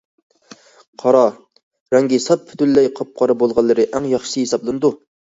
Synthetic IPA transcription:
qʰɑɾɑ | ɾɛŋɡʲisɑt̪̚pʰy̥t̪ylːɛjqʰɑp̚qʰɑɾɨbolˠʁɑlˠːɨɾɨʔæŋjɑχʃɨhesɑblˠɨnɨd̪u

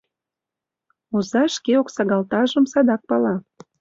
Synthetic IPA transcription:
uzɑʃkeoksɑɣɑlt̪ɑʒəmsɑd̪ɑk̚pɑlɑ

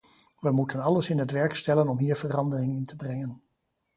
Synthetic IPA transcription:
ʋəmutənɑləsɪnɦətʋɛɹkstɛlənɔmɦiːɹvərɑndərɪŋɪntəbrɛŋən

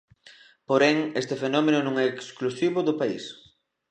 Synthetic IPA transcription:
poɾɛŋest̪ɪfenɔmenʊnõŋɛeksklusiβʊðʊpais

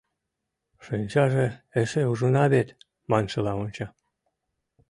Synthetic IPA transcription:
ʃenʲt͡ɕɑʒeeʃeuʒɤ̆nɑβet̪ | mɑnʃɤ̆lɑonʲt͡ɕɑ

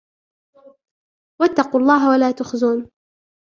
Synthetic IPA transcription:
wat̪ːɑquːlˤːɑːɦawalaːt̪ʊxzuːn

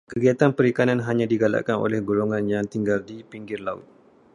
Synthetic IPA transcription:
kəɡiat̪anpəɾikananɦaɲãdiɡala̰ʔkano̰lɛhɡoloŋãnjaŋt̪iŋɡaldipiŋɡɪrlaʊ̰t̪̚

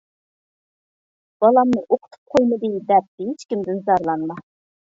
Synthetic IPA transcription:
b̥ɑlˠɑmnɨʔoqʰʊ̥t̪ʰu̥p̚qʰojmɨd̪ɨd̪ɛp̚ɦet͡ʃkʲimd̪ɪnzɑɾlˠɑnmɑ

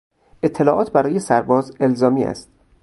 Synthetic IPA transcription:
ʔe̞t̪ʰːe̞lɒːʔɒːt̪ʰbæɾɒːje̞sæɾbɒːze̞lzɒːmiːʔæ̰st̪

